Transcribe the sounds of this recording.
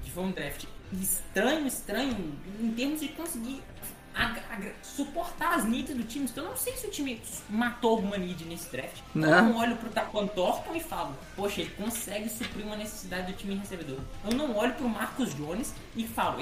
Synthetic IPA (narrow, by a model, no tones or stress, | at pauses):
d͡ʒɪvɐ̃md̪ɾɛft͡ʃɪ̥st̪ɾɐ̃ɲʊɪst̪ɾɐ̃ɲʊʊẽt̪eɾmʊzd͡ʒɪkõsɪɡiɾ | aaɡsupoɾt̪aɾɐznit̪ɐzd̪ʊt͡ʃĩmɪ̃t̪ɐ̃w̃nɐ̃w̃sejsɪʊt͡ʃĩmɪmat̪oaɡũmɐ̃nid͡ʒɪnesɪd̪ɾɛft͡ʃɪ̥newnɐ̃w̃ɔʎʊpɾʊt̪akwɐ̃d̪ʊt̪ɔɾt̪ɐ̃w̃ɪfalɐpoʃɐelɪkõsɛɡɪsupɾiɾũmɐnese̥sid̪ad͡ʒɪd̪ʊt͡ʃĩmɪɦesebed̪oɾewnɐ̃w̃ɔʎʊpɾʊmaɾkʊzd͡ʒõnɪs | ɪfalɐ̰